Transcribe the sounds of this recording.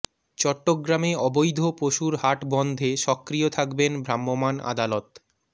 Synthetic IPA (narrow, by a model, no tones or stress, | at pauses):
t͡ɕɔʈːoɡɾameɔbojd̪ʱopoʃuɾɦaʈbɔnd̪ʱeʃɔkːɾiot̪ʰakbenbʱɾamːomana̰d̪alot̪